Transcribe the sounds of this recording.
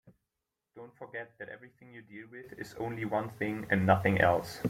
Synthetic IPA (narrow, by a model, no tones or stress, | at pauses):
d̥õʊ̃ntfə˞ɡɛt̪̚ðɨɾɛ̰vɹiθɪ̃ŋjɨdilˠwɪðɪ̰zõ̰ʊ̃nliwʌ̃nθɪ̃ŋɨ̃nːʌθɪ̃ŋʔɛ̰lˠs